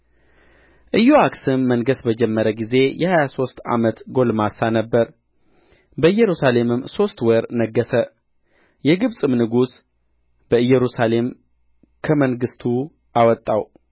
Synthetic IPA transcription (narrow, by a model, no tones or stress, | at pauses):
ʔɨjoaksɨnːənɡəsbəd͡ʒɛmːəɾəɡize̞jʔɛhajaso̞st̪a̰mət̪ɡo̞lmasanəbːəɾ | bəɨjːɛɾusale̞mɨmso̞st̪wɔɾnəɡːəsə | jɛɡɨβsʼɨmnɨɡus | b̥əɨjːɛɾusale̞m | kʰəməŋɡɨst̪ʰu | ʔawɔt̪ʼːaw